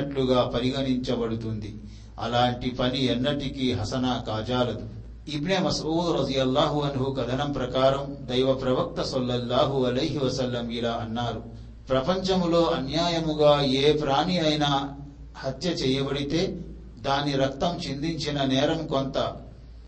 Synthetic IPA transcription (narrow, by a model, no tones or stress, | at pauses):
ɐʈluɡaːpɐɾiɡɐniɲt͡ʃɐbɐɽut̪und̪i | ɐ̰laːɳʈipɐniɛnːɐʈikiɦɐsɐnaːkaːd͡ʒaːlɐd̪u | ibnemɐsuːd̪ɾɐd̪ijɐlːaːɦuɐnɦukɐd̪ʱɐnɐmpɾɐkaːɾɐmd̪ɐjʋɐpɾɐʋɐk̚t̪ɐsɐlːɐlːaːɦuɐlɐjɦiʋɐsɐlːɐmiɽaːɐnːaːɾu | pɾɐpɐɲt͡ʃɐmlo̞ːʔɐnjaːjɐmuɡaːeːpɾaːniɐjna | hɐt̪jɐt͡ʃɛːjɐbɐɽit̪e̞ː | d̪aːniɾɐk̚t̪ɐmt͡ʃind̪iɲt͡ʃinɐnɛːɾɐmko̞nt̪ɐ